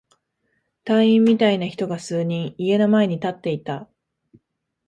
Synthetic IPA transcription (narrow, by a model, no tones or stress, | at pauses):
t̪ãɰ̃ĩmːʲit̪ainaçi̥t̪o̞ɡasɨːɲ̟ĩɰ̃ie̞namae̞ɲ̟it̪at̪ːe̞it̪a